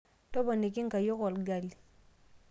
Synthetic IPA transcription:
tɔ˦bɔ˨ne˨k̬i˦ŋ̩˨ka˨jɔ˦ɣɔ˨lɡa˨li˨

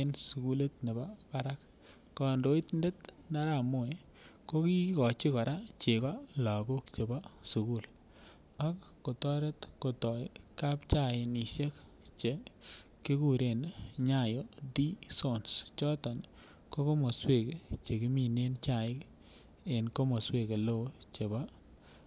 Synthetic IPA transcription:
e˦nsu˨ku˦le˦tne˨ba˦ka˦ɾa˦k̚ː | ɔ˨ndo˦i˦tnde˦t | na˦ɾa˦˨mo˦˨ | ko˦ki˦kɔ˨t͡ʃi˦kɔ˨ɾa˦t͡ʃe˨kɔ˦la˨ɡo˦kt͡ʃe˨ba˦su˨ku˦˨l | a˦kːo˨tɔ˦ɾe˦tko˨tɔ˨jka˦p̚t͡ʃa˦˨ɪ˨ni˨ʃe˦k | t͡ʃe˨ | ki˦ku˦˨ɾe˨nɲa˨jo˨di˦so˦˨nst͡ʃɔ˦tɔ˨n | ko˦ko˦mo˨swe˦˨ket͡ʃe˨ki˦mi˦ne˦nt͡ʃa˨ɪ˦k | e˨nko˦mo˨swe˦˨ke˨lo˦˨t͡ʃe˨ba˦

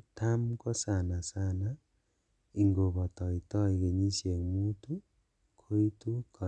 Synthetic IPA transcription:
ta˦mkɔ˦sa˨na˨sa˦na˦ | i˨ŋɡo˨βɔ˨tɔ˨i˨tɔ˦i˨ke˨ɲi˦sje˨ŋmu˦tu˦ | kʰo˦i˦tu˦kʰɔ˨

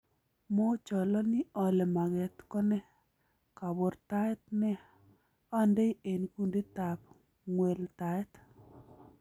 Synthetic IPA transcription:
mo˦t͡ʃɔ˨lɔ˦nɪ˦ɔ˨lɛ˨ma˨ɡɛ˨t̪kɔ˦nɛ˦ | ka˨bo˨ɾt̪a˦ɛ˦t̪̚nɛ˦ | ɔ˦ndɛ˦ie˨nku˦nde˦ta˨p̚ | ŋwe˨lta˨ɛ˦t

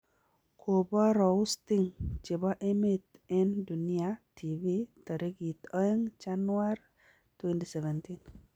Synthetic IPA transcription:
kʰo˨bɔ˦ɾɔ˨ʊ˦sti˦ŋt͡ʃe˨bɔ˦ʔe˦me˨t̪ɛ˦ndu˨nɪ˦a˨tʰi˨vi˦t̪ɔ˨ɾe˦ɡi˨t̪ɔ˦ɛ˦ŋt͡ʃa˦nwa˦r | twe˦nti˦sɛ˨vɛ˨nti˦n

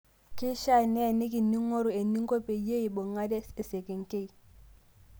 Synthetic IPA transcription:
kɪ˦ʃa˦˨nɛ˦˨ne˦k̬i˨nːi˦ŋːo˦ɾʊ˨e˨nːi˦ŋ̩˦ko˦pe˨˦je˦i˨bʊ˨ŋa˦dɛ˦e˨se˨ke˨ŋ˨ke˦i˨

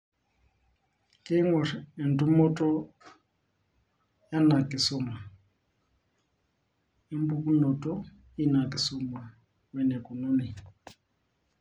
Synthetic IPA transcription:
ke˦ŋɔ˨ɛ˨n˨tu˦mɔ˦tʼɔ˦ | ja˦na˨ki˨sɔ˨ma˨ | e˦m˦bu˦ku˦nɔ˨tʼɔ˦ | i˦na˨ki˨sɔ˨mwa˨ | wɛ˨nɛ˨kɔ˨nɔ˦ni˨

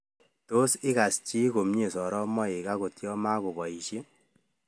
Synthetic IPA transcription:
to˦sɪ˦ka˨st͡ʃi˦ko˨mɲe˨sɔ˨ɾɔ˦mɔ˦e˨ka˦ko˨tjɔ˦ma˦ko˨bɔ˨i˨ʃe˦

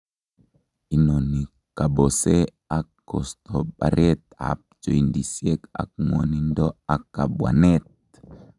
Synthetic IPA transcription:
i˨no˨ni˨ | ka˨bosɛ˦ | akːɔst̪ɔɓa̰˨ɾʔɛ˦t̪̚a̰p̚d͡ʒɔ˨indi˨siɛka̰˨k̚ŋwɔ˨ni˦ndɔ˦a˨kːa˨bwa̰˨nɛ˦t̪̚

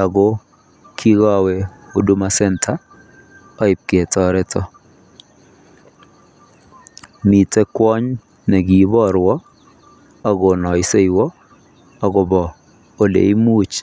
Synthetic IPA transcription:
a˨ɡo˦ | kʰi˦ɡɔ˦˨we˨o˨du˦ma˦sɛ˦ntʰa˦ | ɔ˦ɪ˨p̚ke˨tɔ˦ɾɛ˦tʰɔ˦ | mi˨tɛ˦kwɔ˦ɲ | nɛ˨ɡi˨bɔ˦ɾwɔ˦ | a˨ɡɔ˨nɔ˨ɪ˦se˦jwɔ˦ | a˨ɡɔ˦bɔ˨ | o˦lḛ˨i˦mu˦t͡ʃ

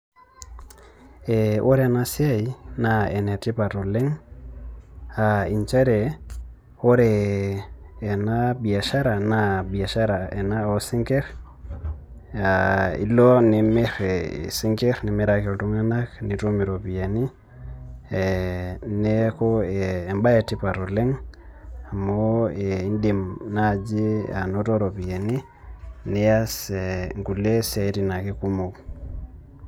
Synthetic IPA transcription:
ɛʔo˦ɾe˨na˦sja˦jinae˨nɛ˨ti˦pa˨to˨lɛ˦ŋ | ai˨nt͡ʃa˦ɾɛ˨ | o˦ɾɛ˨ | na˦bi˨a˨ʃa˦ɾa˨nabi˨a˨ʃa˦ɾa˨ɛ˨na˦o˨si˦ŋkɛ˦ɾ | aḭ˦lɔ˦ni˨me˦ɾɛ̰si˦ŋkɛ˦ɾni˨me˦ɾake˨lto˦ŋa˦naknitomi˨ɾopi˨je˨ni˦ | ne˦koː˦˨mba˦je˨ti˦pa˨ɾole˦ŋ | a˨moei˦ndi˨mna˨d͡ʒi˦a̰˨noto˦ɾo˨pi˨je˨ni˦ | ni˦jaseŋku˨le˦se˦i˦ti˨na˨ki˦ku˦mo˨k

